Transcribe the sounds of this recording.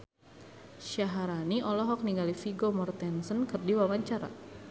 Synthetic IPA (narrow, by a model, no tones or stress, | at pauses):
ʃaɦaɾaniʔɔlɔɦɔk̚niŋɡalifiɡomɔrt̪ɛnsənkɨrdiwawaɲt͡ʃaɾa̰